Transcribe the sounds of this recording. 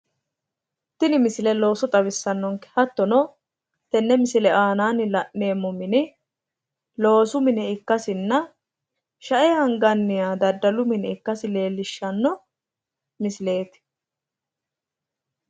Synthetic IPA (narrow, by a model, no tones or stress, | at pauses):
t̪ːɪnɪmɪsɪlɛlo̞ːsɔt̪ʼɐβɪsːɐnːɔŋkɛ̥hɐt̪ːɔnɔ | t̪ɛnːɛmɪsɪlɛʔaːnaːnɪlɐʔne̞ːmːɔmɪnɪ | lo̞ːsʊmɪnɛɪkːɐsɪnːɐ | ʃɐʔɛhɐŋɡɐnːɪjaːd̪ɐd̪ːɐlʊmɪnɛɪkːɐsɪle̞ːlːɪʃːɐnːɔ | mɪsɪle̞ːt̪ɪ̥